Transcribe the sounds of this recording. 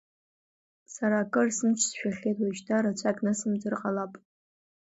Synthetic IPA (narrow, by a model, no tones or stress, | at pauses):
saɾaːkʼɨrsɨmt͡ʃʷʰsʃᶣaɬʲejtʰʼwaʃtʰaɾat͡ɕʷʰakʼnasɨmd͡zɨrqʼalapʼ